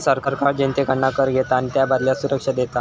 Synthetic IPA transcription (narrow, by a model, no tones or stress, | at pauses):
səɾkəɾkaɾd͡ʑẽnt̪ekəɳɳakəɾɡʱet̪aːñit̪jabʱad̪ljasuɾəkʂəd̪et̪a